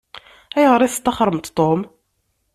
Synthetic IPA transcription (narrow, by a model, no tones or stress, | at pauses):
æjʁəɾˤiθst̪ːɑχɾˤəmt̪t̪ˤːom